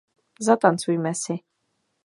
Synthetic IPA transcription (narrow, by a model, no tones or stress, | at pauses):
zat̪ant̪sujmɛsi